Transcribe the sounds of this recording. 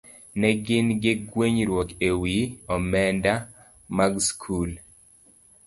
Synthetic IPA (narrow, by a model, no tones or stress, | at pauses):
nɛɡɪnɡɪɡweɲɾwɔkewiɔmɛnda | maɡskʰul